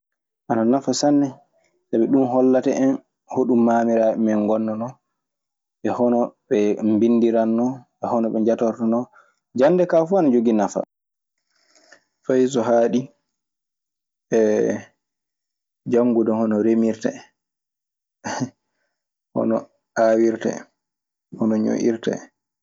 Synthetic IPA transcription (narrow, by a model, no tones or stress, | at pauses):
ʔananafasanːɛ | sabɛɗumɦɔlːatɛʔɛn | hoɗumːamiɾaɛmɛŋɡɔnːɔnɔ | ɓɛhɔnɔɓɛmbinːdiɾanːɔ | ɛhɔnɔɓɛɲd͡ʒatɔɾtanɔ | d͡ʒanːdɛkafuanad͡ʒoɡinafa̰ | fajsɔɦaɗi | ɛ | d͡ʒaŋːɡudɔhɔnɔɾemiɾtɛ̰ | hɔ̰nɔ̰ | awiɾtɛ̰ | hɔnɔɲo̰ʔḭɾtɛ̰